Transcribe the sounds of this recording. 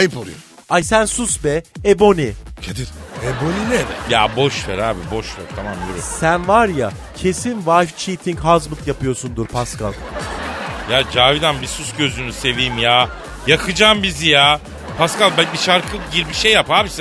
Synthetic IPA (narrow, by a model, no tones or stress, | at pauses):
ajɯpolˠṵjo | ajsænsusbɛebo̞nicʰed̪iɾeboninɛd̪ɛja̰bo̞ʃvɛ̰ɾaːbibo̞ʃvɛ̰ɾt̪ʰamamjeɾɛsænvaɾja | cʰe̞sinvajft͡ʃʰiːt̪ʰiɲcɦazlˠɯkjapɯjo̞sund̪uɾpʰaskalˠ | jaːd͡ʒaːvid̪anbisusɟø̞zynyse̞viːmjaː | jakʰɯd͡ʒaːmbizijaː | pʰaskalˠbænbiʃaɾkʰɯɟiɾbiʃejːaphaːbis